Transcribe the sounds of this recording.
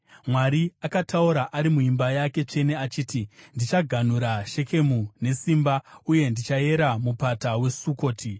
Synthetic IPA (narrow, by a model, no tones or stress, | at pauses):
mwaɾiakatʰauɾaʔaɾimuimbajake̞t͡ʂe̞ne̞at͡ʃiːtindit͡ʃaɡʱan̤uɾaʃe̞ke̞mune̞simbauje̞ndit͡ʃae̞ɾamupatawe̞suko̞ːtʰi